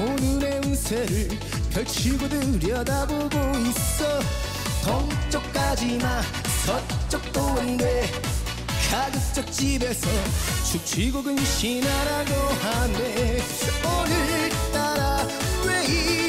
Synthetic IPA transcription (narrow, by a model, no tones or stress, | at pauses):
onuneunsʰeɾɯɭ | kjʌɭt͡ɕʰiɡudɯɾjʌdaboɡoiss͈ʌ | t̪ʌŋt͡ɕ͈ʌk̚k͈ad͡ʑima | sʰʌtt͡ɕ͈ʌk̚t̪͈oɯnde | ɕʰad͡ʑɯt͡ɕ͈ʌk̚t͡ɕ͈ibe̞sʰʌt͡ɕuk̚t͡ɕʰiɡuɡɯnɕinaɾaɡoɦame | ʌnɯɭt̪͈aɾa | wei